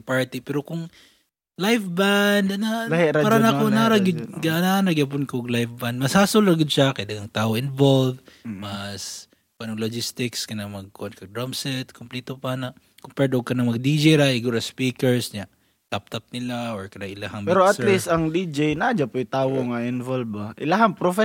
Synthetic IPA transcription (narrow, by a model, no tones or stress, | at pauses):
paɹt̪ipɛːɾokʊŋ | lajfband̪ɐnahɪɾaaɾanakonaɾaɡɪd̪ɡʔnanɐɡɪɐp̬ʊnkɡlajfband̪̚mɐshaːsolɾɐɡɪd̪̚ʃakɐd̪aŋɐŋt̪aːʔoʔɪnvolvmɐs | panɐŋlod͡ʒɪst̪ɪkskɐnamɐɡ̚kʊʔonkɐɡ̚d̪ɹamsɛt̪kʊmpliːt̪opanɐ | kʊmpɛɹd̪oɡ̚kɐnɐŋmɐɡ̚d̪id͡ʒejɾaʔɪɡuɾɐspiːkɛɹsɲa | t̪ap̚t̪ɐp̚nɪlaʔoɹkɐnaŋʔɪlahambpɛɾoʔɐt̪lisɐŋd̪id͡ʒejnad͡ʒapojt̪aːwoŋɐʔɪnvolbaʔɪlaɦampɾofɛ